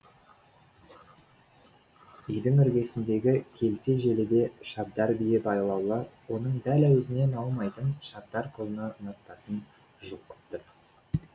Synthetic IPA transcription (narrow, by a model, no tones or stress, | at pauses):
ʏjd̪ɪŋʏɾɡʲe̞sɪnd̪e̞ɡʲɪkʲʰe̞lt̪e̞ʒe̞lɪd̪e̞ʃɑb̚d̪ɑɾbijɪbɑjlˠɑwlˠəwo̞nəɴd̪ælæwɵzɪne̞nɑlˠmɑjt̪ənʃɑb̚d̪ɑɾkʰolˠnənəq̚t̪ːɑsən | ʒuqːə̥pt̪əɾ